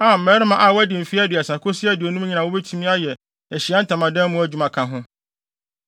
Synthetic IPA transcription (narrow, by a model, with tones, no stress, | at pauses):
a˨m̩˨mɛ˨˦ɾɪ˦mã˦˨ʔa˨wæ˦dɪ̃˨m̩˨fi˦æ˦di˨a˨sã˨kʰʊ˦sɪ˦æ˦dɪ˨o˨nũ˦m˦ɲĩ˨nã˨wo˦be˦tʰu˦mĩ˦a˦jɛ˨ | æ˨ɕi˨a˦n̩˦tʰã˨mã˨dɛ̃˦m˦mʊ̃˦æ˦˨d͡ʑᶣu˨mã˨kʰã˨ɦʊ̃˦